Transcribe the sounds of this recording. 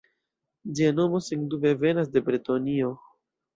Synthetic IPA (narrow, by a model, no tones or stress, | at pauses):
d͡ʒiano̞mo̞siŋdube̞ve̞nas̬de̞bɾitonio̞